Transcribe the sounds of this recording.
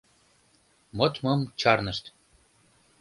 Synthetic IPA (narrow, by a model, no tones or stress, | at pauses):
mot̪mɤmt͡ɕɑrnəʃt̪